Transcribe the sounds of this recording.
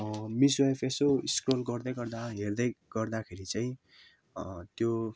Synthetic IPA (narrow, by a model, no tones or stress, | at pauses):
miswaepʰesoiskrolɡʌrd̪ʌjɡʌrd̪aɦerd̪ʌjɡ̥ʌrd̪akʰeɾit͡saĩ | t̪jo